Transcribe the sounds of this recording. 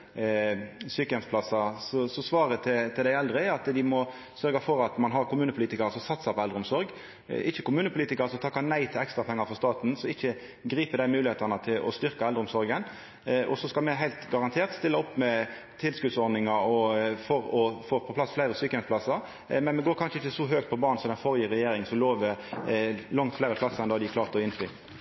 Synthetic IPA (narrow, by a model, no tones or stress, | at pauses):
syːkəɛnspʰlɑsɑsɔsɔsʋɑːɾət̪ʰɪt̪ʰɪld̪æɪɛld̪ʁəɑt̪d̪ɪmɔ | sœʁɡɑfɔɾɑt̪mɑnɦɑɾkʊmʉːnəpʰʊliːt̪ɪkɑʁəsɔmsɑt̪sɑpɔɛlʁəʊmsɔɾɡ̰ | ʔɪçːəkʊmʉːnəpʰʊliːt̪ɪkəʁəsɔt̪ʰɑːkːɑnæɪt̪ʰɪlɛkst̪ɾʁɑpʰɛŋːɑɾfɔʁst̪ɑːt̪n̩sɔɪçːə | ɡɾiːpəd̪æɪmʉːlɪeːt̪ɑnət̪ʰɪlɔ̰st̪ʏʁkɑɛld̪əʊmsɔɾɡən | ʔɔsɔskɑlmɛɦæɪlt̪ɡɑʁɑnt̪ʰeːʁt̪st̪ɪlːəɔpːmɛ | t̪ʰɪlskʉd̪sɔɾd̪ɪŋɑɔfɔɾɔfoːpʰɔpʰlɑsflæɪɾəsyːkənɛt̪spʰlɑsəɾ | mɛnmɛɡoːɾkʰɑnʂəɪçːəsɔɦøːk̚t̪̚pʰɔbɑːnsɔd̪ɛnfɔɾjiːɾɛjeːɾɪŋsɔmloːʋəɾ | lɑŋt̪flæɪɾəpʰlɑsːəɛnd̪ɑːd̪ɪkʰlɑːʁt̪ɔɪnflyː